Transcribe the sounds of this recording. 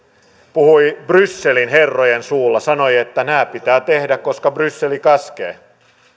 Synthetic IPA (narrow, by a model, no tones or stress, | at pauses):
puhuibrysːe̞linɦerːojensuːlːɑsɑnojet̪ːænæːpit̪æːt̪e̞hdækko̞skɑbrysːelikɑskḛː